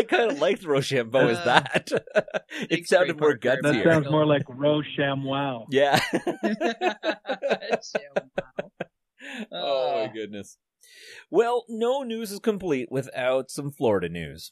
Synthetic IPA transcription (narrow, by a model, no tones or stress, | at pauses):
aɪkʰãɪ̃ndəlaɪk̚tɹoʊʃæ̃mboʊɨzðæt | ɨtsãʊ̃ndɨfə˞ɡʌhiɹsãʊ̃ndzmɔɹlaɪkɹoʊʃæ̃mwalˠjæ | oaɪɡʊdⁿnɨs | wɛlˠnoʊnʉzɨz̥kɨ̃mpʰl̥iʔwʔɪθaʊtsʌ̃ɱflɔɹɨɾɨnʉ̰z̥